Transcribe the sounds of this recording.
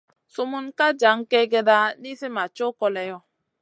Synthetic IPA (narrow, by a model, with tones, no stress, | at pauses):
su˦mu˦nka˦d͡ʒa˨˦ŋ˦ke˦ɡe˦da˦ni˦si˦ma˨t͡ʃo˦kɔ˦lɛ˨jɔ˦